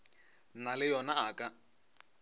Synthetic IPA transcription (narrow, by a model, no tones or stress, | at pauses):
nalɪjɔnaakʼa